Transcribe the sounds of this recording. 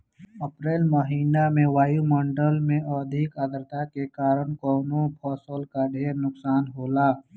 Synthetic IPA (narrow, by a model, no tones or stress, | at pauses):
əpɾeːlməɦĩnɖamẽʋaːjumə̃ɳɖəlmẽɔd̪ʱɪkəd̪ɾt̪akekaːɾəɳkɔːnopʰɔːsəlkaɖʱeːɾnʊksaːnɦoːlaː